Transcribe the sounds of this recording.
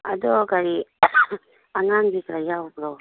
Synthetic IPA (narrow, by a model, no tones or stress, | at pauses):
adɔkaɾi | aŋaŋbikɾajawpɾɔ